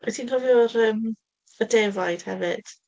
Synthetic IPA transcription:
ɛtʰinhɔvjɔɾəːm | ədɛvajd̥hɛ̰vɨd̥

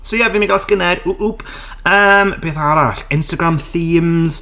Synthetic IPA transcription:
sojavimiɡalˠskənɛduʔub | əːmb̥eːθaɾaɬɪnstaɡɾamθiːmz̥

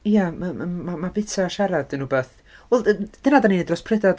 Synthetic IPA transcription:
iaməmamabɪtʰaʃaɾadənubeθ | wɛlˠd̥ənadaninedrɔspʰrɛdad

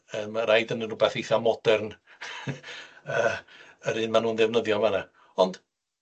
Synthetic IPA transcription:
əmaɾajdənənrʊbɛθejθamɔd̥ɛrn | əː | əɾɨːnmanuːnðɛvnəðjɔmana | ɔnd̥

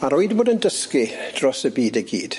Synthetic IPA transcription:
aɾoɨdboːdəndəskid̥rɔsəbiːdəɡḭːd̥

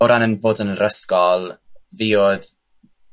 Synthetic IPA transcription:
ɔɾanənvoːdənrəskɔlˠviːoð

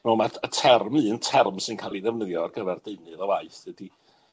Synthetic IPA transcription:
mɛmaətʰɛrmɨːəntʰɛrmsɨnkʰaːlˠiðɛvnəðjɔɔrɡəvɛrdeɨnɨðɔvaɨθðɛdi

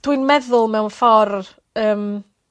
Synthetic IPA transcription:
d̥wɨnmɛðʊlˠmɛwnfɔr | əːm

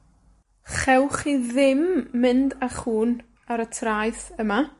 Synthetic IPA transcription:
χɛwχiðɪmːɪndaχuːn | aɾətʰrajθəma

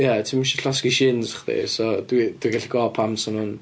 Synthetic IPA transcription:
jatʰimʃiɬɔskiʃɪnzḁχðḛsɔdwid̥wiɡaɬiɡɔpʰamsɔnʊn

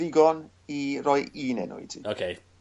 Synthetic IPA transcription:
ɪɡɔn | irɔjiːnɛ̰nʊ̰ḭtʰḭokʰe

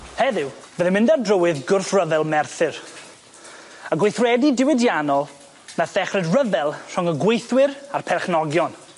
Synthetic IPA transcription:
hɛðɪwvəðɪmɪndadrəwɨðɡʊrθrəvɛlˠmɛrθɨr | əɡwejθrɛdidɪwɪdjanɔlˠ | naθɛχrɨdrəvɛlˠr̥ɔŋəɡwejθwɪrarpʰɛrχnɔɡjɔn

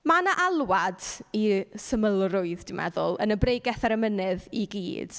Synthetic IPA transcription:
manaʔalˠwadisəməlˠrʊɨðd̥ɪmʔɛ̰ðʊlˠənəbrejɡɛθaɾəmənɨðiɡḭːd̥

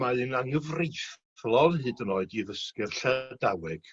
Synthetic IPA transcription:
maɨnaŋəvrijf | lˠɔnɦɨːdənoːɨdiðəskɨrɬɛdawɛɡ̥

